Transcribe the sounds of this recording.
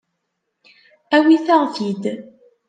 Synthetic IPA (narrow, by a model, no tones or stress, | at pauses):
æwiθaʁθid̪